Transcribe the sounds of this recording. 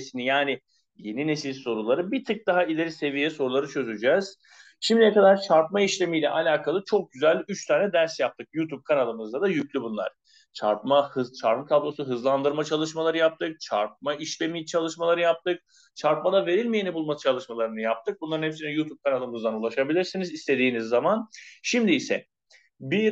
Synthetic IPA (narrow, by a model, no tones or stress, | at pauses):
sinijaːnɪ | je̞ninesilʲso̞ɾulˠaɾɯbit̪ʰɯk̚d̪aɦailʲe̞ɾise̞vijɛso̞ɾulˠaɾɯt͡ʃʰø̞zyd͡ʒɛz̥ | ʃimd̪ijɛkad̪aɾt͡ʃʰaɾp̚maiʃlʲe̞mijlʲɛʔalʲaːkʰalˠɯt͡ʃʰo̞k̚ɟyzælʲyt͡ʃt̪ʰaːnɛd̪æɾsjap̚t̪ʰɯk̚jut̪ʰub̚kʰanalˠɯmɯzd̪ad̪ajyclʲybunlˠa̰ɾ̥ | t͡ʃʰa̰ɾpmahɯzt͡ʃʰaɾɯmt̪ʰablˠo̞suɦɯzlˠand̪ɯɾmat͡ʃʰalˠɯʃmalˠaɾɯjap̚t̪ʰɯk̚t͡ʃʰaɾp̚maiʃlʲe̞mit͡ʃʰalˠɯʃmalˠaɾɯjap̚t̪ʰɯk | t͡ʃʰaɾp̚mad̪ave̞ɾilʲmejenibulˠmat͡ʃʰalˠɯʃmalˠaɾɯnɯjap̚t̪ʰɯk̚bunlaɾɯnhɛpsinɛjut̪ʰub̚kʰanalˠɯmɯzd̪anulˠaʃabilʲiɾsinizist̪ʰe̞d̪iːnizːamanʃimd̪iːsɛ | bi